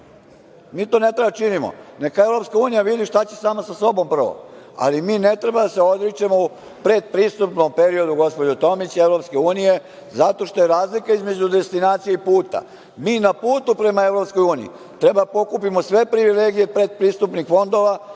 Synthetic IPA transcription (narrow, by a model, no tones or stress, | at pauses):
miːt̪o̞ne̞t̪ɾebat͡ʃinimo̰nekae̞ʋɾo̞pskauːnijaʋid̪iʃt̪at͡ɕesaːmasaso̞bo̞mpr̩ʋo̰ | a̰limiːne̞t̪ɾe̞bad̪ase̞o̞d̪ɾit͡ʃemou | pɾe̞d̪̚pɾist̪upnompe̞ɾio̞d̪uɡo̞spo̞d͡ʑot̪o̞mit͡ɕeʋɾo̞pske̞uːnije̞ | zat̪o̞ʃt̪o̞jeɾaːzlikaizme̞d͡ʑud̪est̪inaːt̪sijeipuːt̪a̰ | miːnapuːt̪upɾe̞mae̞ʋɾo̞psko̞juːnḭḭ | t̪ɾe̞bad̪apo̞kupimo̞sʋe̞pɾiʋile̞ɡije̞pɾe̞d̪̚pɾist̪upnixfo̞nd̪o̞ʋa